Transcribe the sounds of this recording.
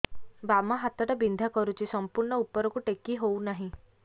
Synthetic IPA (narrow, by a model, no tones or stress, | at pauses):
bamaɦat̪ɔʈabind̪ʱakɔɾut͡ʃʰisɔmpuɾɳɔupːɔɾɔkuʈekiɦownaɦĩ